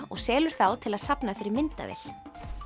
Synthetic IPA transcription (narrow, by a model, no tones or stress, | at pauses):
ɔ̰ɣsɛːlʏɾ̥θawt̪ʰɪlaðsapnafɪɾɪɾmɪnt̪a̰vḛl̥